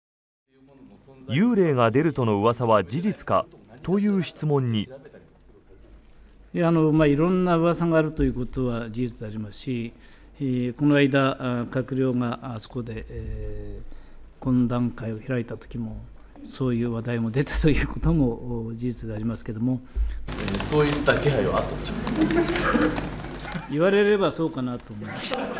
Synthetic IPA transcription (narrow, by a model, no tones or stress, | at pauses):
jɯːɾe̞ːŋad̪e̞ɾɯ̟t̪o̞no̞ɯ̟βasaβad͡ʑiʑit͡sɨ̥kat̪o̞jɯ̟ːɕi̥t͡sɨmõ̞ɲ̟ːi | eano̞maiɾõ̞nːaɯ̟βasaɡaːɾɯ̟t̪o̞jɯ̟ːko̞t̪o̞βad͡ʑiʑit͡sɨd̪e̞aɾʲimasɨ̥ɕi | ko̞no̞aid̪akakɯ̟ɾʲjo̞ːɡaso̞̥ko̞d̪e̞ʔ | kõ̞nd̪ãŋkaio̞çiɾait̪at̪o̥kʲimo̞ | so̞ːjɯ̟ːβad̪aimo̞d̪e̞t̪ḁt̪o̞jɯ̟ːkʰo̞t̪o̞mo̞d͡ʑit͡sɨd̪e̞aɾʲimasɨ̥ke̞d̪o̞mo̞ | so̞ːit̪ːaɡʲeɦaioat̪ːad̪e | iβaɾe̞ɾe̞baso̞ːkanat̪o̞ːmo̞imaɕt̪a